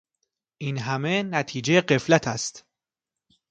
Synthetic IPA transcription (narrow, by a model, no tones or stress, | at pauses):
ʔiːnɦæmenæt̪ʰiːd͡ʒejeɢe̞flæt̪ʰæst̪